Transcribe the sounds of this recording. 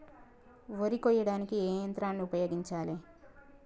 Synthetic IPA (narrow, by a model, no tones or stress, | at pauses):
ʋoɾikɔːjɐɽaːnikieːjɐnt̪ɾaːnːiupɐjo̞ːɡiɲt͡ʃaːle